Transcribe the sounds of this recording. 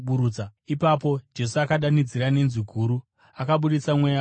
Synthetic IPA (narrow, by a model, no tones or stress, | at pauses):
ɓuɾuaipapo̞d͡ʒe̞suakaɗanid͡ziɾane̞nziɡʱuːɾu | akaɓuɗit͡samwe̞ja